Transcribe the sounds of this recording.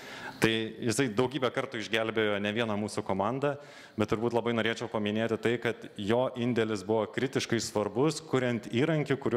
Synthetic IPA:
t̪ɐɪjɪsɐɪd̪ɐʊɡʲiːbʲɛkɐɾt̪uːɪʒʲɡʲɛlʲbʲeːjoːnʲɛʋʲiɛnɐmuːsʊkoːmɑnd̪ɐ | bʲɛt̪t̪ʊɾbuːt̪lˠɐbɐɪnoːɾʲeːt͡ʃʲɛʊpɐmʲɪnʲeːt̪ʲɪt̪ɐɪkɐt̪joːʔɪnʲd̪ʲɛlʲɪsbʊʋoːkɾʲɪt̪ʲɪʃkɐɪsʋɐɾbʊskʊɾʲɛnt̪ʲiːɾɐŋʲkʲɪkʊɾʲ

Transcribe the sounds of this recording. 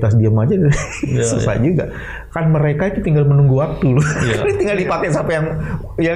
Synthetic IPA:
t̪as̬diamad͡ʒadai | sṵsa̰d͡ʒuɡa | kanməɾekait̪ut̪iŋɡalmənuŋɡuwak̚t̪ulʊit̪iŋɡaldipakajsapajaŋ | ja

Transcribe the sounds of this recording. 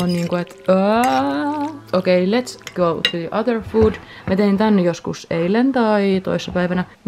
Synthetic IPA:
onniːŋkoet̪ə | okeilet̪skolt̪yiʔɑðəɹfuːd | mæt̪eint̪ænːejoskuseilent̪ɑit̪o̰isːɑpæiʋænæ

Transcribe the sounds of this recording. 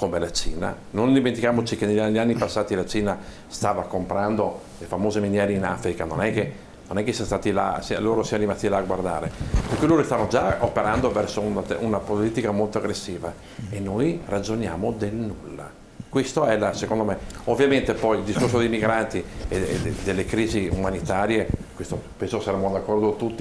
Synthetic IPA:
komelat͡ʃiːna̰ | nond̪iment̪ikjaːmot͡ʃikeneʎːaneʎːanːipasːaːt̪ilat͡ʃiːna | st̪aːvakompɾand̪o | lefamoːzeminjɛːɾeinafɾikanonɛkːe | nonɛkːesiast̪aːt̪ila̰siloːɾosianoɾimat̪ilaːɡward̪a̰ːɾeperkuloːɾost̪anːod͡ʒaopeɾand̪ovɛrsount̪unapoliːt̪ikamolt̪oaɡɾesːiːva | enːojrad͡ʒonja̰ːmod̪elnulːa̰ | kwest̪oɛlasekond̪omeovːjament̪epɔjild̪iskorsod̪ejmiɡɾant̪ied̪d̪elːekɾiːziumanit̪aːɾjekwest̪opɛnsokesaɾemːod̪akːɔrd̪ot̪ut̪ːi

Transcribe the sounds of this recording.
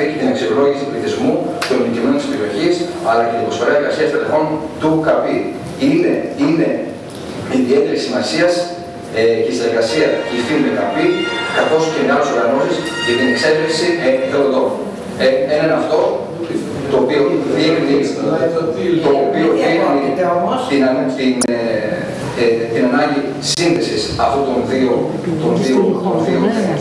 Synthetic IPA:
icet̪ine̞kselo̞ʝisipliθizmut̪onicimenot̪ispeɾio̞çisɐlɐcet̪ibɾo̞sfoɾɐeɾɣɐsiɐst̪ele̞fo̞nt̪ukɐpi | ineine | iðiet̪e̞ɾisimɐsiɐs | ecesineɾɣɐsiɐciθind̪ekɐpikɐθo̞sceineɐleso̞ɾɣɐno̞sisʝɐt̪ine̞kse̞fɾesiçeɾod̪o̞m | eenenɐft̪o̞ | t̪o̞ːpioðionis | t̪opioimɐnt̪inɐnt̪in | t̪inɐnɐɲɟi | sinðesisɐft̪ot̪o̞nðio | t̪onðiooðio

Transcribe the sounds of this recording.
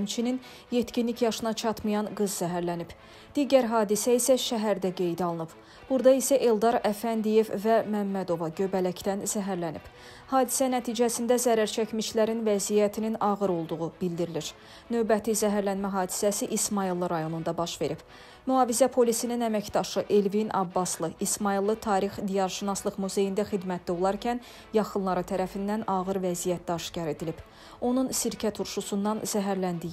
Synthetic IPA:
mt͡ʃʰinin | je̞t̪cinlicjɑʃɯnɑt͡ʃʰɑt̪mɯjɑnɡɯzːæɦæɾlænib̥ | d̪̥iɟæɾɦɑːd̪isæisæʃæɦæɾd̪æɡe̞jd̪iɑlˠɯnɯb | b̥uɾd̪ɑisæʔelˠd̪ɑɾæfænd̪ije̞vvæmæmːæd̪o̞vɑɟø̞bælæct̪ænzæɦæɾlænḭb̥ | hɑːd̪isænæt̪ʰiːd͡ʒæsind̪æzæɾæɾt͡ʃʰæcmiʃlæɾinvæzijæt̪ʰininɑʁɯɾo̞lˠd̪uʁub̥ild̪iɾiliɾ | nø̞vbæt̪ʰizæɦæɾlænmæɦɑːd̪i̥sæsiʔismɑilˠːɯɾɑjo̞nund̪ɑbɑʃve̞ɾib̥ | myɑːvizæpʰo̞lisininæmæcd̪ɑʃɯʔe̞lvinʔɑ̰bːɑslˠɯismɑilˠːɯt̪ʰɑːɾixd̪ijɑɾʃinɑslˠɯχmuze̞jind̪æxid̪mæt̪d̪æo̞lˠɑɾcʰæn | jɑχɯnlˠɑɾɯt̪ʰæɾæfind̪ænɑɣɯɾvæzijæt̪̚d̪ɑʃcɑɾe̞d̪ilib̥ | o̞nunsiɾcʰæt̪ʰuɾʃusund̪ɑnzæɦæɾlænd̪i

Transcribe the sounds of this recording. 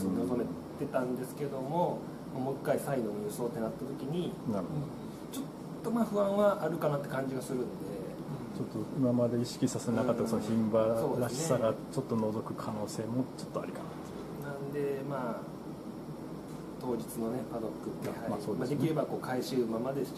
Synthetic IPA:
soneozome̞t̪e̞t̪ãnd̪e̞sɨ̥ke̞d̪o̞mo̞ | mamo̞kːaisainomoɯso̞ːt̪ːenat̪ːat̪o̞kʲiɲ̟inaɾɯ | t͡ɕo̞t̪ːo̞maːɸɯ̟βãɰ̃βaʔaɾɯ̟kanat̪ːe̞kãɲ̟d͡ʑiɡasɨɾɯ̟̃nod̪e̞ | t͡ɕot̪ːoimamad̪e̞iɕi̥kʲisaseenakat̪ːasonoçĩmbassoːd̪eɾaɕi̥saɡat͡ɕo̞t̪ːo̞no̞zo̞kɯ̟kʰano̞ːse̞ːmo̞t͡ɕo̞̥t̪ːoa̰ɾʲikana̰t̪ːe | nãnd̪e̞maː | t̪o̞ːd͡ʑit͡sɨno̞ne̞pad̪o̞kːɯ̟t̪ːehaasoːd̪mad̪ekʲiɾe̞bako̞ːkʰaiɕɨɯmamad̪es

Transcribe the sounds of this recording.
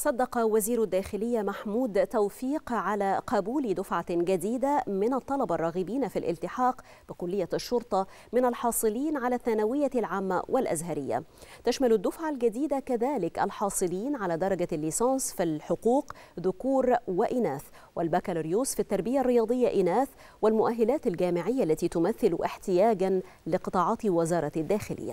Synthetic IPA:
sˤɑd̪ːɑqɑwaziːɾʊd̪ːæːxɪlɪjːamaħmuːd̪t̪awfiːqʕalæːqɑbuːld̪ʊfʕaɡad̪iːd̪amɪnɑt̪ˤːɑlɑbɑrˤːɑːɣibiːnafilʔɪ̰lt̪ɪħɑːq | b̥ɪkʊlːɪjːaʃːʊɾt̪ˤɑ | mɪnalħɑːsˤɨliːnʕalæːθːanawɪjːalʕaːmːa̰wʔɪlʔa̰zɦaɾɪjːa̰t̪aʃmalʊd̪ːʊfʕalɡad̪iːd̪akaðaːlɪkʔa̰lħɑːsˤɨliːnʕalaːd̪ɑɾˤɑɡalːiːsɑːnsfilħʊquːq | ðʊkuːɾwɪʔɪnaːθ | wɪlbakalɾjuːsfit̪ːɑɾˤbɪjarːɪjɑːd̪ˤɨjːaʔɪnaːθ | wɪlmʊʔaɦːɪlaːt̪alɡaːmɪʕɪjːaʔlːat̪iːt̪ʊmaθːɪlʔɪħt̪ɪjaːɡan | lɪqɨt̪ˤɑːʕɑːt̪wɪzɑːɾˤɑd̪ːaːxɪlʔɪ̰jːa̰

